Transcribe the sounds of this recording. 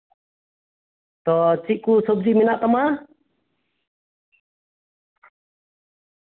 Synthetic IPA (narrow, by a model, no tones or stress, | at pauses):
t̪ɔt͡ʃiʔ̚kusɔb̚d͡ʒiminaʔt̪ama